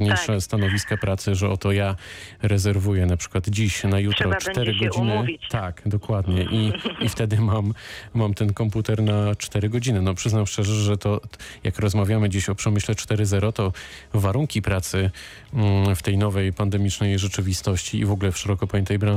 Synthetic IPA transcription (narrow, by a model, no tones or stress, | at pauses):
ɲɛʂst̪anɔvʲiskapɾʔat̪sɘʐɛɔt̪ɔja | ɾɛzɛɾvujɛnapʂɘ̥kwad̪d͡ʑiɕnajut̪ɾɔt͡ʂt̪ɛɾɘɡɔd͡ʑinɘt̪akd̪ɔkwad̪ɲɛʔiift̪ɛd̪ɘmamːamt̪ɛnkɔmput̪ɛɾnat͡ʂt̪ɛɾɘɡɔd͡ʑinɘnɔpʂɘznamʂt͡ʂɛʐɛʐɛt̪ɔjakɾɔzmavʲjamɘd͡ʑeɕɔpʂɛmɘɕlɛt͡ʂt̪ɛɾɘzɛɾɔt̪ɔ | vaɾuŋkʲipɾat̪sɘ | ft̪ɛjnɔvɛjpand̪ɛmʲit͡ʂnɛjʐɛt͡ʂɘvʲist̪ɔɕt͡ɕḭːvɔɡulɛfʂɛɾɔkɔpɔjɛnt̪ɛjbɾã